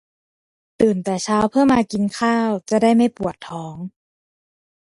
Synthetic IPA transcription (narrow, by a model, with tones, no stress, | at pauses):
t̪ɯː˨˩nt̪ɛː˨˩t͡ɕʰaː˦˥wpʰɯ˥˩əmaː˧ki˧nkʰaː˥˩wt͡ɕa˨˩daː˥˩jma˥˩jpu˨˩ət̪ʰːɔː˩˦˥ŋ